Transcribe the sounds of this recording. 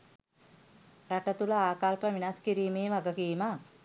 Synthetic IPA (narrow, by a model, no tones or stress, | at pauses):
raʈət̪uləaːkalpəʋinaskiɾiːmeːʋaɡəkiːma